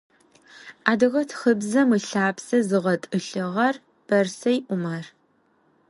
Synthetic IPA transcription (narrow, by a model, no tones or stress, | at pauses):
ʔaːdɨɣɐtʰxɨbzɐmɨɬaːpsɐzɨʁɐtʼɨɬɨʁɐr | b̥ɐrsɐjʔʷʊmɐr